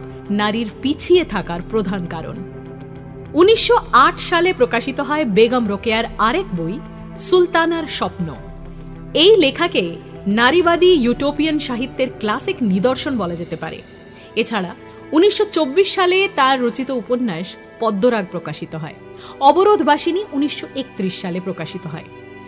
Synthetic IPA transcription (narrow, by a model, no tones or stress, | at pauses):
naɾiɾpit͡ɕʰiet̪ʰakaɾpɾod̪ʱankaɾo̰n | uniʃːoaʈʰʃalepɾokaʃit̪oɦɔebeɡamɾokeaɾaɾek̚boj | sult̪anaɾʃɔpno̰ | ejlekʰakenaɾibad̪ijuʈopijanʃaɦit̪ːeɾklasiknid̪oɾʃonbɔlad͡ʑet̪epa̰ɾḛ | et͡ɕʰaɽa | uniʃːot͡ɕobːiʃːalet̪aɾːot͡ɕit̪ouponːaʃ | pɔd̪ːoɾaɡ̚pɾokaʃit̪oɦɔe | ɔboɾod̪ʱbʱaʃiniuniʃːoʔek̚t̪ɾiʃʃalepɾokaʃit̪oɦɔ̰e